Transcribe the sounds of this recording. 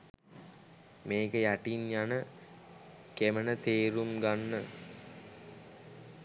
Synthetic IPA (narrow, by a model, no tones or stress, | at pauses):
meːkəjæʈinjanə | kemənət̪eːɾumɡanːə